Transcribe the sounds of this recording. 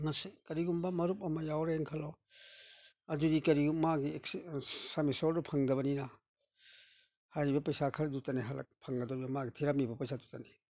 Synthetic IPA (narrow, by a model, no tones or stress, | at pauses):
mɐsekɐɾiɡumbamɐɾup̚ɐmɐjawɾeeŋkʰalɔ | ɐdudikɐɾiɡummːaɡiekssamisɔɾdupʰaŋdɐβɐnina | hajɾibɐpɐjsakʰaɾdutaneɦalɐ̰k̚pʰaŋɡɐdɔɾibɐmaɡitʰiɾap̚nibɐpɐjsatutane